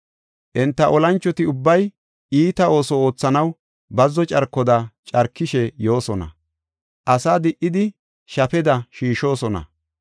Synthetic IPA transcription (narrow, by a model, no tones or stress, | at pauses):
ʔɛnt̪ːɐʔɔlɐnt͡ʃːɔt̪ɪʊbːɐj | ʔiːt̪ɐo̞ːsɔoːt͡sːɐnɐw | bɐzːɔt͡ʃʼɐɾkːɔd̪ɐt͡ʃʼɐɾkːɪʃɛjo̞ːsɔnɐ̰ | ʔɐsaːd̪ɪʔːɪd̪ɪ | ʃɐpɛd̪ɐʃiːʃo̞ːsɔnɐ̰